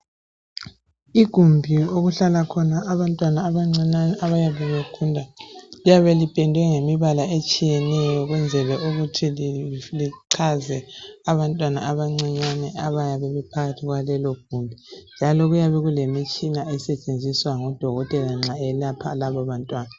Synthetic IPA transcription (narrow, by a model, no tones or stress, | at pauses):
iɡ̥ʱumbʱioɣuɬalakʰɔnaːβantʼwanaːβaŋ͡ǀianaβajaβɛβekʰundʱalijaβelipʰʼɛndʱwɛŋemiβalaet͡ʃʼijɛnɛjɔɣwɛnd͡zʱɛlɛʔuɣutʰilliǀʰazɛaβantʼwana̰aβaŋ͡ǀiɲanɛaβajaβɛβɛpʰaɣatʰiɣwalɛlɔɡ̥ʱumbʱind͡ʒʱalɔɣujaβɛɣulemit͡ʃʼinaɛsɛt͡ʃʼend͡zʱiswaŋɔd̥ʱɔɣɔtʼɛlaŋ͡ǁaɛlapʰalaβɔβantʼwaːna